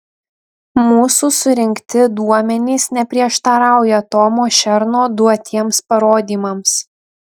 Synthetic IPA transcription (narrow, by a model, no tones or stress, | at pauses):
muːsuːsʊɾʲɪŋʲkt̪ʲɪd̪uɔmʲɛnʲiːsnʲɛpʲɾʲiɛʃt̪ɐɾɑˑʊjɛt̪oːmoːʃʲɛɾnoːd̪uɔt̪ʲiɛmspɐɾoːd̪ʲiːmɐms